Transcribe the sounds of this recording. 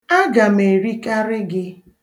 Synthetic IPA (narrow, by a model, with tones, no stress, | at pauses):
a˦ɡa˨me˨ɾi˦ka˦ɾɪ˦ɡɪ˦